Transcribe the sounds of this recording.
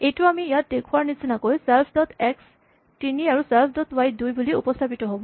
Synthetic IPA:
ejtʊamiijat̚dekʰuaɹnisinakojsɛlpʰdɔt̪ʰɛks | tiniaɹusɛlpʰdɔtʰwajdujbuliupɔst̪ʰapitɔɦobɔ̃

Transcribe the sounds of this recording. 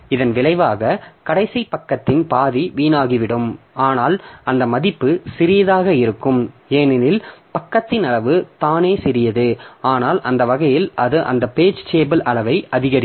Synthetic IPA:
ɪðɐnʋɪlɐɪʋaːɣɐkɐɽɐɪsɐpɐkːɐt̪ːɪnpaːðiʋiːnaːɣɪʋɪɽɯmaːnaːlɐnd̪ɐmɐðɪpːɯsɪɾɪjɐðaːɣɐɪɾɯkːɯmeːnɪnɪlpɐkːɐt̪ːɪnɐlɐʋɯt̪aːneːsɪɾɪjɐðɯaːnaːlʔɐnd̪ɐʋɐɣɐjɪlʔɐðɯʔɐ̰nd̪ɐpeːd͡ʒt͡ʃeːbɪlɐlɐʋɐɪʔɐðɪɣɐɾɪ

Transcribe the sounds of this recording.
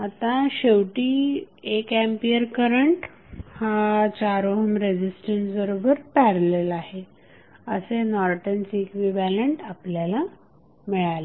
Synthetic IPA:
at̪ãɕewʈiː | ekɛmpiəɾkəɾəɳʈ | hat͡ɕaɾoɦəmɾed͡ʑisʈənsbəɾobəɾpɛɾlelaɦe | əsenɔɾʈənsiekʋibæləɳʈapljala | miɭale

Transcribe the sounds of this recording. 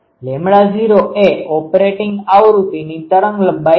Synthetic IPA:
lẽmɽad͡ʒiɾoʔeɔpɾeʈɪŋɡaʋɾut̪init̪əɾəŋɡləba

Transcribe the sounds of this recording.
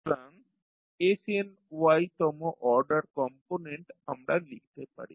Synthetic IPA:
ɾaŋ | esien | wajt̪ɔmɔʔɔɾɖaɾkɔmponeɳʈamɾalikʰi̥t̪epa̰ɽḭ

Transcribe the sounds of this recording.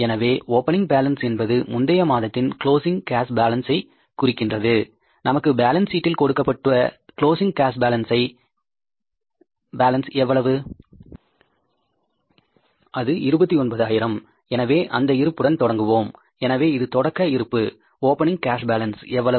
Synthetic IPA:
ɛnɐʋeːʔoːpːɐnɪŋɡbaːlɐnsɛnbɐðɯmʊnd̪ɐjɐmaːðɐt̪ːɪnkɭoːsɪŋkaːsbaːlɐnsɐɪ | kʊrɪkːɪndrɐðɯ | nɐmɐkːɯbaːlɐnsiːʈːɪlkɔɽɯkːɐpːɐʈːɯʋɐkɪɭoːsɪŋɡkaːsbaːlɐnsɐɪ | baːlɐnsɛʋːɐɭɐʋɯ | ʔɐðɯɪɾɯbɐt̪ːiɔnbɐðaːjɪɾɐm | ɛnɐʋeːʔɐ̰nd̪ɐɪɾɯpːɯɽɐnt̪ɔɽɐŋɡɯʋoːm | ɛnɐʋeːɪðɯt̪ɔɽɐkːɐɪɾɯpːɯ | oːpɐnɪ̃ŋkaːsbaːlɐnsɛʋːɐɭɐ

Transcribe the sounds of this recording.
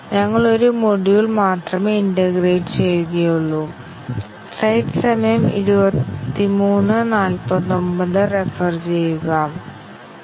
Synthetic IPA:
ɲɐŋːɐɭo̞ɾumoɽijiɭmaːt̪rɐmeindɐɡreːʈɨt͡ɕe̞jːuɣɐjuɭːu | sɐjʈɨsɐmɐjɐmḭɾubɐt̪ːimuːnːɨnaːlpɐðombɐðɨrefɐrt͡ɕe̞jːuɣɐ

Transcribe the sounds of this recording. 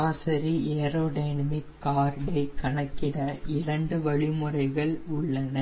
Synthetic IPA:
aːsɐɾieːɾoːɖɐɪnɐmɪkːaːɾɖɐɪkɐɳɐkːɪɽɐɪɾɐɳɖɯʋɐɭɪmɯrɐɪɣɐɭʊɭːɐnɐ

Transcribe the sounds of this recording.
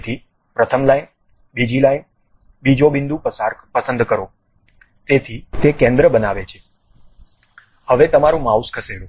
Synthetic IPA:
t̪ʰi | pɾət̪ʰəmlain | bid͡ʒilain | bid͡ʒobɪnd̪ũpəsaɾkpəsə̃nd̪kəɾo | t̪et̪ʰit̪ekɛ̃nd̪ɾəbənaʋet͡ʃʰe̥ | həʋet̪əmaɾũmauskʰəseɽũ

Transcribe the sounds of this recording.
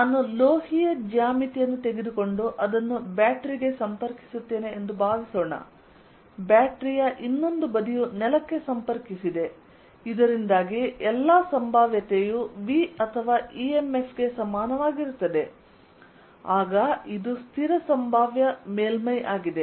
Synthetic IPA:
naːnuloːhijɐd͡ʒaːmit̪ijɐnːut̪e̞ɡed̪uko̞ɳɖuʔɐd̪ɐnːubaːʈɾiɡe̞sɐmpɐɾki̥sut̪ːe̞ːne̞ːnd̪ubʱaːʋisoːɳɐ̰ | baːʈɾijɐʔinːo̞nd̪ubɐd̪ijunɛlɐkːe̞sɐmpɐɾkisid̪e̞ | id̪ɐɾind̪aːɡiɛlːasɐmbʱaːʋjɐt̪ejuʋiɐt̪ʰɐʋaːʔieme̞fʰɡe̞sɐmaːnɐʋaːɡiɾut̪ːɐd̪e̞ | aːɡɐid̪ust̪ʰiɾɐsɐmbʱaːʋjɐmeːlmɐjʔaːɡid̪e

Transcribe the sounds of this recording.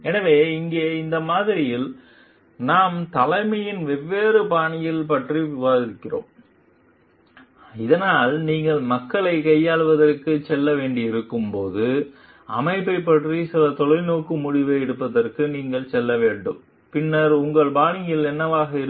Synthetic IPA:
ɛnɐʋeːɪŋɡeːɪnd̪ɐmaːðɪɾɪjɪl | naːmt̪ɐlɐɪmɐjɪnʋɛʋːeːɾɯbaːnɪjɪlpɐʈriʋaːɪɾkːɪro̰ːm | ɪðɐnaːlniːŋɡɐɭmɐkːɐɭɐɪkɐjːaːɭʋɐðɐrkɯt͡ʃɛlːɐʋeːɳɖɪɪɾɯkːɯmpoːðɯ | ɐ̰mɐɪpːɐɪpːɐʈrisɪlɐt̪ɔɭɐɪnoːkːɯmʊɽɪʋeːɪɽɯpːɐðɐrkɯniːŋɡɐɭsɛlːɐʋeːɳɖɯm | pɪnːɐɾʊŋɡɐɭbaːnɪjɪlɛnːɐʋaːɣɐɪɾ

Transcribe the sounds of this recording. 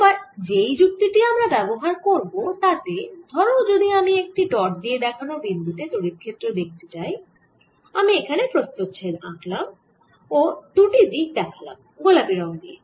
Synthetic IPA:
baɾd͡ʑejd͡ʑuk̚t̪iʈiamɾabɛboɦaɾkoɾbot̪at̪ed̪ʱɔɾod͡ʑod̪iamiek̚ʈiʈɔɾ̚d̪ied̪ɛkʰanobind̪ut̪et̪uɽiɾkʰet̪ːɾed̪ek̚ʰt̪et͡ɕaj | amiekʰanepɾost̪ot̪ːt͡ɕʰena̰klam | od̪uʈid̪ik̚d̪ɛkʰala̰m | ɡolapiɾaad̪ie

